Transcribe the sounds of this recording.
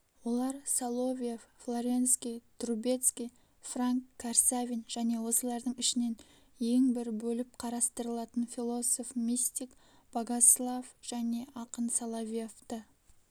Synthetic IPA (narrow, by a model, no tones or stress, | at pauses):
wo̞lˠɑɾsalˠo̞vʲijefflˠoɾʲe̞nskʲijt̪ʰɾube̞t̪skʲij | fraŋkʰːarsavʲinʒ̥æne̞wo̞səlˠɑɾd̪əɴɪʃɪne̞n | je̞ŋbɪɾbɵlɪp̚qʰɑɾɑst̪əɾəlˠɑt̪ənfʲilˠo̞so̞fmʲist̪ʲik | b̥aɡaslˠavʒ̥æne̞ʔɑqənsalˠovʲijeft̪ə